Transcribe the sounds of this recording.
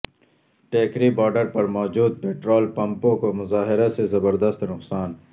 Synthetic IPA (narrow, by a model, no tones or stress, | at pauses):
ʈeːkɾibɔːɾɖəɾpɐɾmɔːd͡ʒuːd̪̚peːʈɾoːlpɐ̃mpõkomʊzaːɦɪɾasezɐbəɾd̪ɐst̪nʊqsaːn